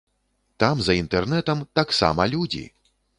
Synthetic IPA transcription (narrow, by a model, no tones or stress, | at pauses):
t̪amzɐint̪ɛrnɛt̪ɐmt̪aksa̰mɐlʲud͡zʲḭ